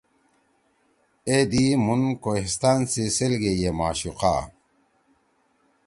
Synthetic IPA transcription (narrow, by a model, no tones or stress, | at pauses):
ed̪imunkohist̪aːnsiselɡejemaːɕuqa̰ː